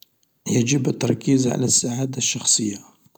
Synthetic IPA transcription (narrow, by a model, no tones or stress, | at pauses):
jad͡ʒəbət̪ːɑɾˤkizʕa̰læsːaʕad̪aʃːɑxsˤəjːa